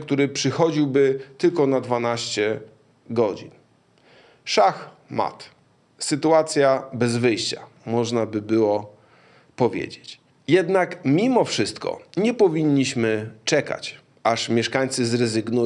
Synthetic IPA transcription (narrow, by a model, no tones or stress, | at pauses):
k̚t̪uɾɘpʂɘxɔd͡ʑiwbɘt̪ɘlkɔnad̪vanaɕt͡ɕɛ | ɡɔd͡ʑḭn | ʂax | ma̰t̪ | sɘt̪uat̪sʲjabɛzvɘjɕt͡ɕa | mɔʐnabɘbɘwɔ | pɔvʲjḛd͡ʑet͡ɕ | jɛd̪nakmʲimɔfʂɘst̪kɔ̰ɲɛpɔvʲiɲːiɕmɘt͡ʂɛka̰t͡ɕ | aʂmʲjɛʂkaɲʲt̪sɘzɾɛzɘɡnu